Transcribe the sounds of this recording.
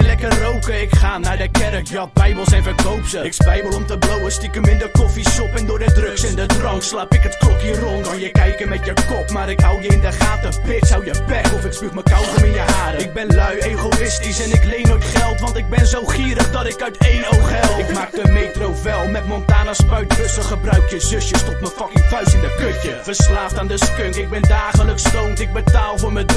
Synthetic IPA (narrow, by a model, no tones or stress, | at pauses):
lɛkərowkəɪkχaːnaːɹdəkɛrəkjɑt̚bɛjbəlˠsɛnvəɹkowpsəɪksbɛjbəlˠɔmtəblowəstɪkəmɪndəkɔfisʃɔpɛndʊːɹdədrɵksɛndədrɑŋkslaːpɪkətkɔkirɔnɑnjəkɛjkəmɛtjəkɔpmaːɾɪkɦɑwjəɪndəχaːtəpɪtsɦɑwjəpɛkɔfɪkspiməkɑwχəmɪnjəɦaːɾəɪɡ̚bɛnlœɥejχowɪstisɛnɪklejnoɥtχɛlˠtʋɑntɪɡ̚bɛnzowχiːɾəχdɑtɪkœɥtejowχɛlˠɪkmaːk̚dəmetrowʋɛlˠmɛtmɔntaːnəspœɥtrøsəχəbrœɥkjəzʏsjəstɔtməfɑkifœɥsɪndəkøkjəfəɹslaːftaːndəskøŋkɪɡ̚bɛndaːχələkstowntɪɡ̚bətaːlˠvʊːɹmə